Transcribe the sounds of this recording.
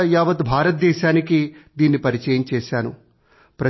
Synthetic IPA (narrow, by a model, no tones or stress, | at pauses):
jaːʋɐt̪bʱaːɾɐt̪̚d̪ɛːʃaːnikid̪iːnːipɐɾit͡ʃɛːjɐmt͡ʃeːʃaːnṵ | pɾɐ